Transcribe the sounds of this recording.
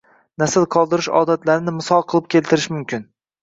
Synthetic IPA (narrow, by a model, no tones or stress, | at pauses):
nasɪlqʰɒlˠd̪ɪɾɪʃɒ̰ːd̪at̪laɾɪnɪmɪsɒlˠqʰɨlˠɪp̚kʲʰe̞lt̪ʰɪɾɪʃmʊmkʲɪn